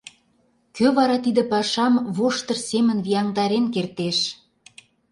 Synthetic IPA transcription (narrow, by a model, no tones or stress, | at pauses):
køβɑɾɑt̪id̪ə̆pɑʃɑmβoʃt̪ɤ̆rsemə̆nβijɑŋd̪ɑɾenkert̪eʃ